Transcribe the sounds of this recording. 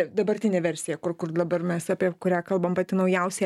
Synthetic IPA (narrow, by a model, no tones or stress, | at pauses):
d̪ɐbɐɾʲt̪ʲɪnʲeːʋʲɛɾʲsʲɪjɛkʊɾkʊrd̪ɐbɐrmʲɛsɑːpʲiɛkʊɾʲæːkɐlˠbɐmpɐt̪ʲɪnɐʊjɛʊsʲɛ